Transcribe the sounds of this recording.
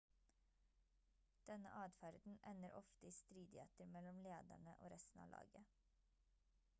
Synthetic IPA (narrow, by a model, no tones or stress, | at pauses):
d̪̥ɛnə̰ʔɑːd̪fæɾd̪n̩ʔɛnəɾʔɔft̪əiːst̪ɾiːd̪ɪheːt̪əɾmɛlɔmleːd̪æ̰ɳəʔo̰ːɾɛst̪n̩ɑ̰ːlɑ̰ːɡə